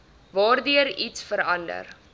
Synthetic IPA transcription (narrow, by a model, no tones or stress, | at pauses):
vɑːrdyəɾitsfəɾɐndə̰r